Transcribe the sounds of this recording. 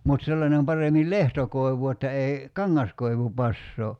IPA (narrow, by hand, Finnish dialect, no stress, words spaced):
mut selːɑnem pɑremil lehtokoi̞ʋu etːæ ei kɑŋːɑskoiʋu pɑsːoː